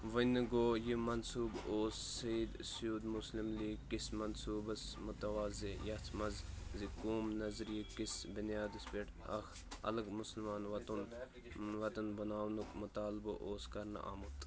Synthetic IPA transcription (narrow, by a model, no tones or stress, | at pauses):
ʋɐnɨɡoːjimɐnsuːboːsːɐjid̪sjuːd̪muslimliːɡkːismɐnsuːbɐsmʊt̪ɐʋaːzejɐt͡s̪ʰmɐzzikuːmnɐzɾijikisbɪnjaːd̪ispeʈ | ɐ̰x | ɐ̰lɐɡmʊsəlmaːnʋɐt̪un | ʋɐt̪ɐnbɐnaːwnukmut̪aːlbɐʔoːskɐɾnɐ̰ʔa̰ːmut̪